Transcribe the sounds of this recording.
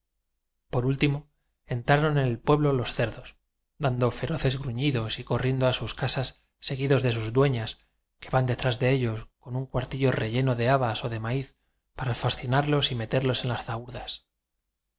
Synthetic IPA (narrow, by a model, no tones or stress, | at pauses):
po̞ɾult̪imo̞ | e̞nt̪ɾaɾo̞ne̞ne̞lpwe̞βlo̞lo̞sθe̞ɾðo̞s | d̪and̪o̞fe̞ɾo̞θe̞zɣɾuɲiðo̞siko̞rje̞nd̪oasuskasasː | e̞ɣ̞iðo̞zðe̞s̬uzðd̪we̞ɲas | ke̞βand̪e̞t̪ɾazðe̞e̞ʎo̞sko̞nuŋkwaɾt̪iʎo̞re̞ʝe̞no̞ðe̞aβaso̞ðe̞maiθ | paɾafasθinaɾlo̞sime̞t̪e̞ɾlo̞se̞nlasθauɾðas